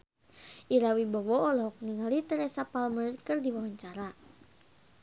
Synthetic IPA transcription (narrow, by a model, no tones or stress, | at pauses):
ʔiɾawibɔwɔːlɔɦɔk̚niŋalit̪ɛɾɛsapalmərkɨrdiwawaɲt͡ʃaɾa